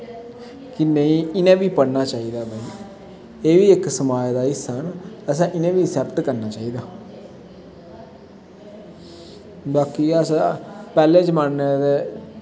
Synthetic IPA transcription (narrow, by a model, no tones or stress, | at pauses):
kɪnəĩːɪnẽːʋiːpəɽnaːt͡ʃaːiːd̪aːbaːiː | eːʋiːɪksəmaːjd̪aːɪsənəsãːʔɪnẽːʋiːsɛːbt̪kəɾnaːt͡ʃaːiːd̪aː | baːkiːəsãpɛːleːd͡ʒəmənːed̪eː